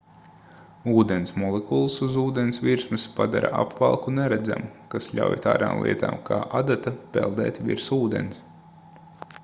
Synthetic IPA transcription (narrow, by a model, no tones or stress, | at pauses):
uːd̪ɛnsmɔlˠekulˠsuzuːd̪ensʋʲiɾsmɨspad̪aɾa̰ʔapvalˠkunɛɾɛd̪zæ̰mukasʎʲa̰wjt̪aːd̪aːmlˠʔḭɛt̪a̰ːmkʰaːʔad̪at̪apɛ̰lˠd̪ɛ̰ːt̪ʲvḭɾsuːd̪ɛ̰ns